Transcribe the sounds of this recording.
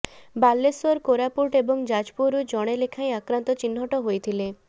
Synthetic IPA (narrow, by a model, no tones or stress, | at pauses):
balːesɔɾkoɾapuɾʈebɔŋd͡ʒad͡ʒpuɾud͡ʒɔɽ̃elekʰaj̃akɾant̪ɔt͡ʃinɦɔʈɔɦojt̪ʰile